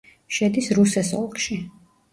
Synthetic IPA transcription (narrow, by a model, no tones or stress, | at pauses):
ʃɛd̪isɾusɛsɔ̰lˠkʰʃi